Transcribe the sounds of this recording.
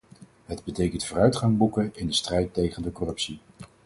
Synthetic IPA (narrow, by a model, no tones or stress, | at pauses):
ɦədbətejkəntfoːrœɥtχɑŋbukəɪndəstrɛjtejχəndəkɔrɵpsi